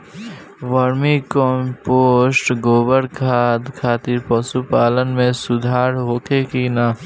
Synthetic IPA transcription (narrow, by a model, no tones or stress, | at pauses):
ʋaɾmikɔmpoːsʈɡoːbəɽkʰad̪kʰaːt̪ɪɾpɐsupaːlənmẽsʊd̪ʱaːɾɦoːkekina